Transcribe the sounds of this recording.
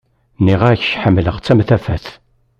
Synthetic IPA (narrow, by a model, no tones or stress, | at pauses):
niʁaɾç̥çħəmːləʁt͡sːæmθæfæθ